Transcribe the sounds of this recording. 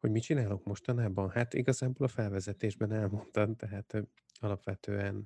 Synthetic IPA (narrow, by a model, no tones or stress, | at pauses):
ho̞ɟmit͡ʃinaːlokmo̞ʃt̪ɒnaːbɒnhat̪ḭɡɒzaːbolɒfɛlvɛzɛt̪eːʒbɛnɛlmo̞nt̪ɒmt̪ɛɦaːt̪ | ɒlɒpʋɛt̪øːɛn